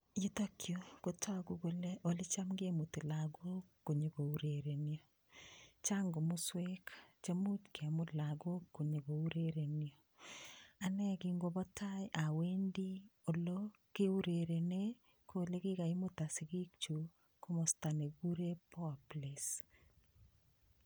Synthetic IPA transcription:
ji˦to˦kjoko˨tɔ˦ɡu˦ɡo˦le˦ʔo˨le˦t͡ʃa˦mɡemu˨ti˨laɡo˦kːo˨ɲe˨ɡo˨u˨ɾeɾe˨njo˨ | t͡ʃaŋɡo˨mu˦swe˦kt͡ʃemu˦tkʰe˨mʊlaɡo˦kːo˨ɲe˨ɡo˨u˦ɾeɾe˨njo˨ | a˨nɛ˦kiŋɡo˦bɔ˦ta˦jʔa˨we˦ndi˦o˨lo˦ | ke˦u˦ɾe˨ɾe˨ne | kole˦kɪ˦ka˨i˦mo˦ta˨si˨ɡi˦k̚t͡ʃu˨ | ko˦mɔ˨sta˨ne˨ɡu˦ɾe˦pɔ˦˨ples

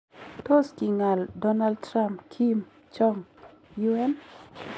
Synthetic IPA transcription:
to˦ski˨ŋa˨ldɔ˦na˦ld̚tɾa˦mpkʰi˦m | t͡ʃɔ˦ŋ | ju˦ɛ˦n

